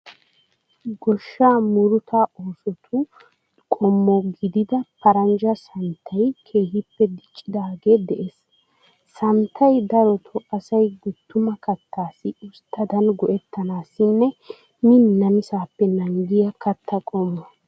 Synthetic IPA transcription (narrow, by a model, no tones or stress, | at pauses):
ɡɔʃːaːmʊɾʊt̪ʰaoːsɔt̪ʰʊ | kʼɔmːɔɡɪd̪ɪd̪ɐpɐɾɐnd͡ʒɐsɐnt̪ʰːɐjkʰe̞ːhɪpːɛd̪ɪt͡ʃʼːɪd̪aːɡe̞ːd̪ɛʔes | sɐnt̪ʰːɐjd̪ɐɾɔt̪ʰɔʔɐsɐjɡʊt̪ːʊmɐkɐt̪ːaːsɪʊst̪ʰːɐd̪ɐnɡɔʔɛt̪ːɐnaːsɪnːɛ | mɪnːɐmɪsaːpːɛnɐŋɡɪjɐkɐt̪ʰːɐkʼɔmːɐ